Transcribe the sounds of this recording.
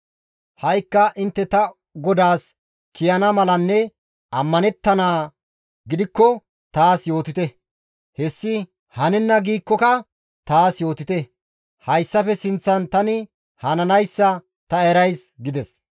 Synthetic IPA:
hɐjkːɐʔɪnt̪ːɛt̪ɐ | ɡɔd̪aːs | kɪjɐnɐmɐlɐnːɛ | ɐmːɐnɛt̪ːɐnaː | ɡɪd̪ɪkːɔ | t̪aːsjo̞ːt̪ɪt̪ɛ | hɛsːɪ | hɐnɛnːɐɡiːkːɔkɐ | t̪aːsjo̞ːt̪ɪt̪ɛ | hɐjsːɐpɛsɪnt͡sːɐnt̪ɐnɪ | hɐnɐnɐjsːɐ | t̪ɐeɾɐjsɡɪd̪ɛs

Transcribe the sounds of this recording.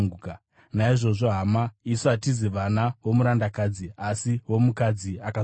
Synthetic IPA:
uka | naiʐo̞ʐo̞ɦamaisoatiziʋanawo̞muɾandakad͡ziasiwo̞mukad͡ziaka

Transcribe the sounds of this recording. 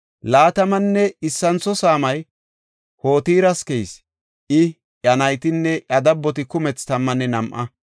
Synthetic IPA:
laːt̪ɐmɐnːɛɪsːɐnt͡sɔsaːmɐj | ho̞ːt̪iːɾɐskɛjs | ʔɪ | ʔɐnɐjt̪ɪnːɛʔɐd̪ɐbːɔt̪̬ɪkʊmɛt͡st̪ɐmːɐnːɛnɐmʔɐ

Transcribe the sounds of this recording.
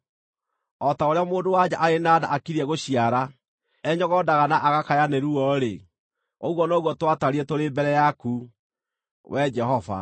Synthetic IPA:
ɔtaoɾeamoːndowad͡ʑaʔaɾenaːda̰ʔakiɾiɛɣoɕiaɾa | ɛɲɔɣɔdaɣanaʔaɣakajaneɾuɔɾe | oɣwɔnoɣwɔtwataɾiɛtoɾeːmbɛɾɛjaku | wɛd͡ʒɛhɔva̰

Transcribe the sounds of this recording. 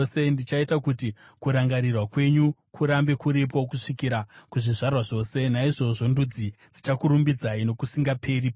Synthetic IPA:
se̞ndit͡ʃaitakuti | kuɾaŋɡaɾirwakwe̞ɲukʰuɾambe̞kuɾip̬okuʂikiɾakuʐiʐarwaʐo̞ːse̞naiʐo̞ʐo̞ndud͡zi | d͡zit͡ʃakuɾumbid͡zaino̞kusiŋɡapʰe̞ripo

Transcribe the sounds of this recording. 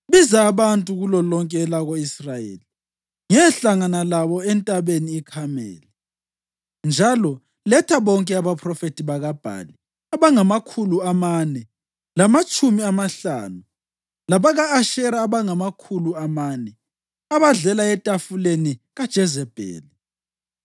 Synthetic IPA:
βizaːβantʼuɣulɔlɔŋkʼɛlaɣoisrajḛːli | ŋɛɬaŋanalaβɔɛntʼaβeniːkʰamɛ̰ːlɛ | nd͡ʒʱalɔ | lɛtʰaβɔŋkʼɛaβapʰrɔfetʼiβaɣab̥ʱa̰ːli | aβaŋamakʰuluamanɛ | lamat͡ʃʼumiamaɬa̰ːnu | laβaɣaːʃɛɾaːβaŋamakʰuluamaːnɛ | aβaɮɛlaɛtʼafuleniɣad̥ʒ̥ʱɛzɛb̥ʱḛːli

